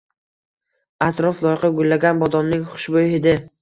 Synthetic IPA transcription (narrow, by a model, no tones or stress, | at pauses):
at̪ɾɒflˠɒjɪqɑɡʊlːaɡʲanbɒd̪ɒmnɪŋχʊ̥ʃbojhɪd̪ɪ